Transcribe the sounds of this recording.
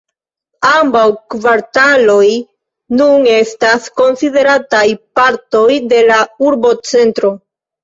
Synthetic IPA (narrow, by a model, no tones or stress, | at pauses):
ambawkvaɾtalo̞j | nune̞stasko̞nside̞ɾatajpaɾto̞jde̞lauɾbo̞t͡se̞ntɾo̞